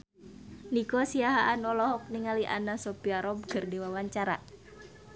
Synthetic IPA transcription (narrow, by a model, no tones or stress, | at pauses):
nikosiaɦaʔːnɔlɔɦɔk̚niŋaliʔa̰nasɔpiaɾɔb̚kɨrdiwawaɲt͡ʃaɾa̰